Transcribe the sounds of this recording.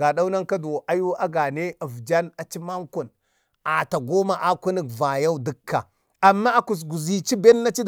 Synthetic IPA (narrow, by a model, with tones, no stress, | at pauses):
a˨ɗa˦u˦na˦nka˦dʔa˦ju˦a˦ɡa˨ne˦a˨vd͡ʒa˦na˨t͡ʃi˦ma˦ŋku˨n | a˨ta˨ɡo˦ma˨ʔa˦ku˦ni˦kva˨ja˦u˦də˦kʰːa˨ | a˨mːa˦a˨ku˨s̬ɡu˨zi˨t͡ʃi˦be˦nːa˦t͡ʃi˦d